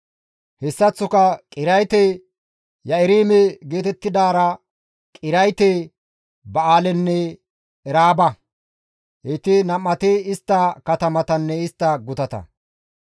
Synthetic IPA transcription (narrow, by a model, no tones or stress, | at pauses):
hɛsːɐt͡sːʊkɐkʼɪɾɐjt̪e | jɐɪɾiːmɛɡe̞ːt̪ɛt̪ːɪd̪aːɾɐ | kʼɪɾɐjt̪e | bɐaːlɛnːɛ | ɛɾaːbɐ | et̪ɪnɐmːɐt̪eɪst̪ːɐkɐt̪ɐmɐt̪ɐnːɛɪst̪ːɐɡʊt̪ɐt̪ɐ̰